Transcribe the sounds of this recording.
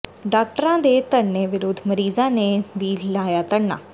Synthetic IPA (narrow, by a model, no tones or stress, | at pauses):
ɖaːk̚ʈəɾãːd̪eːt̪ənːeːʋɪɾʊd̪ʱːməɾiːzãːneːʋiːlaːjaːt̪əɽna̰ː